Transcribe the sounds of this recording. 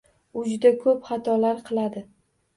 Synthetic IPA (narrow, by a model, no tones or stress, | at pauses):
ʊd͡ʒʊd̪akʰɵpχɑt̪ʰɒlaɾqʰɨlˠad̪ɪ